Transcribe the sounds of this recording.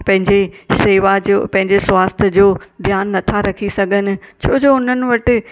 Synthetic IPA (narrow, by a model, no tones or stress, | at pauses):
pɐ̃ɦɪ̃ɲd͡ʑeseːʋad͡ʑopɐ̃ɦɪ̃ɲd͡ʑeswaːst̪ʰd͡ʑoːd̪ʱjaːnːɐt̪ʰaɾɐkʰisɐɡʱənɪ̆t͡ɕʰoːd͡ʑoːʊn̤ənɪ̆ʋɐʈɪ̆